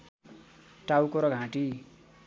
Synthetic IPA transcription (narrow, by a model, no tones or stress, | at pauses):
ʈawkoɾʌɡʱãʈi